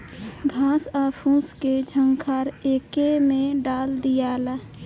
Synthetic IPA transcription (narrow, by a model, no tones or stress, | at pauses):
ɡʱãːsaːpʰũːsked͡ʒʱə̃ŋɡkʰaːɾeːkemẽɖaːld̪ijaːla